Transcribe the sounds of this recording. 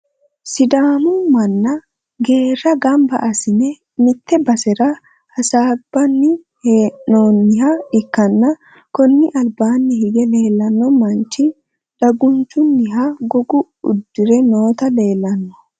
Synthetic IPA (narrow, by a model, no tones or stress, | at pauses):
sɪd̪aːnʊmɐnːɐ | ɡe̞ːrːɐɡɐmbɐ̰ʔɐsɪnɛ | mɪt̪ːɛbɐsɛɾɐ | hɐsaːb̥ɐnːɪ | heoːnːɪɦɐɪkːɐnːɐ | kɔnːɪʔɐlbaːnːɪhɪɡɛle̞ːlːɐnːɔmɐnt͡ʃːɪ | ᶑɐɡʊnt͡ʃːʊnːɪɦaɡɔɡʊ | ʊ̰d̪ːɪɾɛno̞ːt̪ɐle̞ːlːɐnːɔ̥